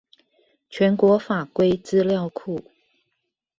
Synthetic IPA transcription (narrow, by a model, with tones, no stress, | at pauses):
t͡ɕʰɥɛ˧˥nkwɔ˧˥fa˨˩kwe˥ɪt͡sɹ̩˥ljɑ˥˧ʊkʰu˥˩